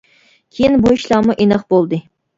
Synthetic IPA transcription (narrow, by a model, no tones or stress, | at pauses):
kʲʰejinbuiʃlˠɑmuʔenɑχbolˠd̪ɨ